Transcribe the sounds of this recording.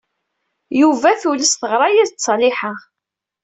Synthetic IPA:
juvæθuləsθəʁɾˤɑjiðsˤlɪħa

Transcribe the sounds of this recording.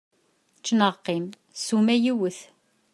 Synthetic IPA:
t͡ʃːnəqːim | sumæjiwəθ

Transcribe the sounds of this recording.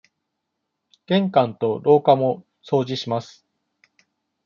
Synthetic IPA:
ɡ̥ẽ̞ŋkãnt̪o̞ɾo̞ːkamo̞ | so̞ːd͡ʑiɕimasɨ̥

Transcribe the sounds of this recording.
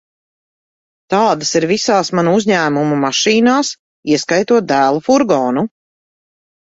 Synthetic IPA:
t̪aːd̪asiɾvisaːsmanuuzʲɲæːmumumaʃiːnaːs | iɛskajt̪uɔt̪̚d̪æːlˠufuɾɡɔːnu

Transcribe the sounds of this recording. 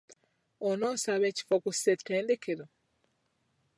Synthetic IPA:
onoːsaβe̞ːci̥fokusi̥eteːndekʰeɾo

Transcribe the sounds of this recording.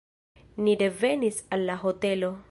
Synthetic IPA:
nidevenisalːaɦotelo

